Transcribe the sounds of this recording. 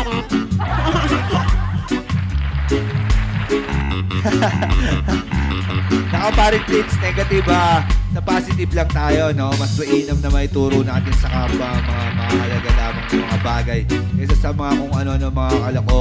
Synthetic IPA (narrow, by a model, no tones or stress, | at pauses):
nɐkopaːɾɪŋplinsnɛːɡɐt̪ibasɐpaːsɪt̪ɪblɐŋt̪aːjo̞no̞mɐsmɐʔiːnɐmnɐmɐʔɪt̪uːɾonaːt̪ɪnsɐkabamɐŋamɐakɐlɐɡalaːmɐŋsɐmɐŋabaːɡɐjkɛsɐsɐmɐŋakoŋʔɐnoɐno̞mɐŋakɐlɐko̞